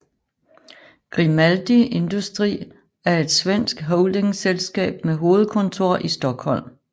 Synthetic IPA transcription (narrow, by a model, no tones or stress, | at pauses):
ɡ̥ʁimæld̥ie̝nd̥usd̥ʁḭː | æɐe̝d̥sʋen̰sɡ̥ɦɔʊld̥e̝ŋselsɡ̥ɛ̰ːb̥meɦo̝ːð̩ˠkʰɔ̽nt͡sʰo̝ɐ̰ʔisd̥ɒ̽ɡ̥hɒ̽l̰m